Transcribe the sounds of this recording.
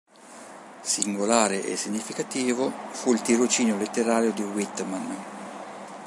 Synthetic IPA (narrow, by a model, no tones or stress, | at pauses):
siŋɡolaːɾeʔḛsiɲːifikat̪iːvofuilt̪iɾot͡ʃiːnjolet̪ːeɾaːɾjod̪iwit̪ːman